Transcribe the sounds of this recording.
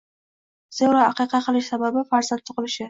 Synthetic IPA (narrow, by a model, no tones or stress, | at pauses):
z̥ewɾaaqɨjqʰɑqʰɨlˠɪʃsababɪfaɾzant̪t̪ʰʊqɨlɪʃɪ